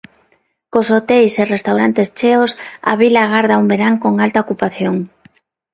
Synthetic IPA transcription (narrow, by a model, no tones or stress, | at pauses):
kosot̪ejserest̪awɾant̪est͡ʃeosa̰βilaɣ̞aɾð̞aumbeɾaŋkoŋalt̪aokupaθjoŋ